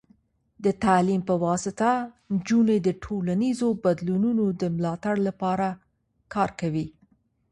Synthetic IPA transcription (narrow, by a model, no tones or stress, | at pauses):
d̪ət̪alimpəwɑsɪt̪a | nd͡ʒuned̪əʈʰolanizobad̪lununod̪əmlɑt̪aɽlapɑɾa | kʰɑɾkawi